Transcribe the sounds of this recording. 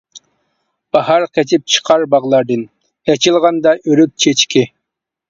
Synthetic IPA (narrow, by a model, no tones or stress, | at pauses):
b̥ɑhɑɾqʰɛt͡ʃʰɪp̚t͡ʃʰə̥qʰɑɾbɑʁlˠɑɾd̪ɨn | ɛt͡ʃʰilˠʁɑnd̪ɑʔøɾyk̚ʲt͡ʃʰet͡ʃkʲɪ